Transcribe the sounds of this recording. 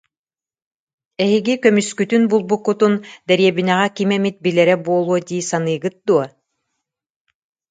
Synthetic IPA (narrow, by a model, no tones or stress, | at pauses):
ɛɦiɡikœmyskyt̪ynbulˠbukːut̪und̪ɛɾiɛbinɛʁɛkimɛmit̪̚bilɛɾɛbuɔlˠuɔd̪iːsanɯjɡɯt̪̚d̪uɔ